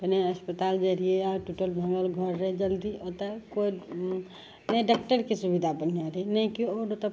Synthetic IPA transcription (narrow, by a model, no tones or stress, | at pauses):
b̪əneəspət̪aːld͡ʒeɾieaʈuʈəlbʱə̃ŋəlɡʱɔɾɦed͡ʒəld̪iʔot̪əkoi | nɛɖakʈəɾkesubid̪ʱabən̤jaɾenɛkioɾot̪ə